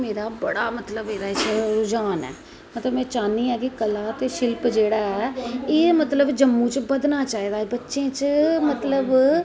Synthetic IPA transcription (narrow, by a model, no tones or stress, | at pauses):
meːɾaːbəɽaːmət̪ləbeːɾaːɪt͡ʃʰeɾʊd͡ʒaːnɛ̰ː | mət̪ləbmɛ̃ːt͡ʃaːniːɛːkɪkəlaːt̪eːʃɪlpd͡ʒeːɽaːɛːeːmət̪ləbd͡ʒəmːũːt͡ʃbəd̪naːt͡ʃaːiːd̪aːeːbətːʃẽːt͡ʃmət̪ləb